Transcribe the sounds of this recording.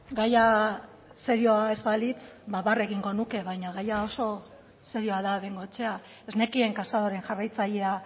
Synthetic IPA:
ɡaja | seɾio̞ae̞zβalit͡sbaβare̞ɣiŋɡo̞nuke̞βajɲaɣajao̞so̞ | seɾio̞aðaβe̞ŋɡo̞t͡ʃe̞a | ezne̞kie̞ŋkasaðoɾe̞ŋʝarajt͡saʎe̞a

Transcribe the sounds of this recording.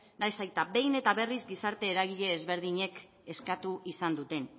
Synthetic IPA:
najsajt̪abe̞jne̞t̪aβe̞rizɡisaɾt̪e̞ːɾaɣ̞iʎe̞ːzβe̞ɾð̞iɲe̞k | e̞skat̪uʔisand̪ut̪e̞n

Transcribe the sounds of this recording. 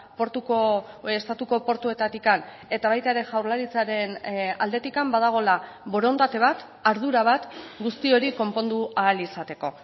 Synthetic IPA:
poɾt̪uko | est̪at̪uko̞po̞ɾt̪ue̞t̪at̪ikan | e̞t̪aβajt̪aeɾe̞ʝawɾlaɾit͡saɾe̞nald̪e̞t̪ikambað̞aɣ̞o̞la | bo̞ɾo̞nt̪at̪e̞β̞at̪ | aɾðuɾaβ̞at̪ɡust̪io̞ɾiko̞mpo̞nd̪uaːlisat̪e̞ko̞

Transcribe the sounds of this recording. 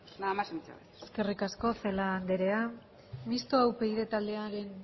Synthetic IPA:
nmasnt͡sa̰ | e̥ske̞rikasko̞θelaːnd̪eɾe̞a | mist̪oawpe̞iðe̞t̪ald̪e̞aɾe̞n

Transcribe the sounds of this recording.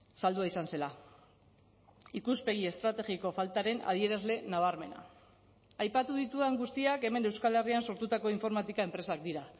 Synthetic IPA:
sald̪uaisanse̞la | ikuspe̞ɣ̞ie̞st̪ɾat̪e̞ɣiko̞falt̪aɾe̞na̰ð̞ie̞ɾazle̞naβ̞aɾme̞na̰ | ajpat̪uðit̪uðeŋɡust̪iake̞me̞ne̞wskale̞rianso̞ɾt̪ut̪ako̞iɱfo̞ɾmat̪ikae̞mpɾe̞sak̚d̪iɾa

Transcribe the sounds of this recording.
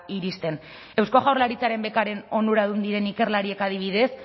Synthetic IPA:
iɾist̪e̞n | e̞wsko̞ɣawɾlaɾit͡saɾe̞mbe̞kaɾe̞no̞nuɾaðund̪iɾe̞nike̞ɾlaɾie̞kað̞iβið̞e̞s

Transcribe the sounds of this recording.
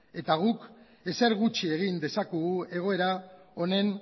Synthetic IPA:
e̞t̪aɣ̞uk | e̞se̞ɾɣut͡ʃie̞ɣind̪e̞sakuɣue̞ɣ̞o̞e̞ɾao̞ne̞n

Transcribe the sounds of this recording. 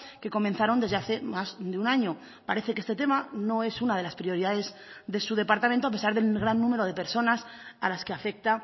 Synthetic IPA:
ke̞ko̞menθaɾo̞nd̪ezðe̞aθe̞mazd̪eunaɲo̞ | paɾe̞θekest̪e̞t̪̬e̞mano̞e̞sunað̞e̞laspɾio̞ɾiðaðe̞z | ðe̞suð̞e̞paɾt̪amẽnt̪oape̞saɾðe̞lɣɾanːũme̞ɾo̞ð̞e̞pe̞ɾso̞nasalaske̞afe̞k̚t̪a

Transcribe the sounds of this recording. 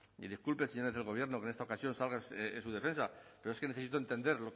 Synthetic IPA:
ḭðiskulpeseɲo̞ɾezðe̞lɣ̞o̞β̞je̞ɾno̞ke̞ne̞st̪aokasjo̞nsalɣasuðe̞fe̞nsape̞ɾoeskeneθeit̪oent̪e̞nd̪e̞ɾlo̞

